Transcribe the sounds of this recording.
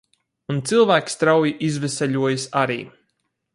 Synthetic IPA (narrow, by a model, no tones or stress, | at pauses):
unt̪silˠvæːkst̪ɾawjiʔizvɛsɛʎuɔjsaɾiː